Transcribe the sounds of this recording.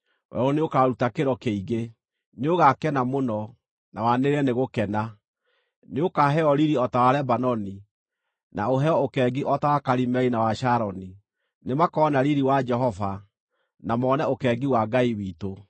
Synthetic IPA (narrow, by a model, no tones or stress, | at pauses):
wɛ̰ɾɔneokaɾutakeɾɔkeiɣe | neoɣakɛnamonɔ | nawaneɾɛneɣokɛna | neokaɦɛɔɾiɾiɔtawaɾɛbanɔni | naoɦɛɔokɛːɡiʔɔtawakaɾimɛinawaʃaɾɔni | nemakɔnaɾiɾiwad͡ʒɛɦɔva | namɔːnɛokɛːɡiwaɡaiwito